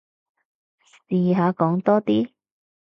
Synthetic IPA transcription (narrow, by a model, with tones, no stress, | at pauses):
siː˨ɦaː˨˧kɔː˨˥ŋt̪ɔː˥t̪iː˥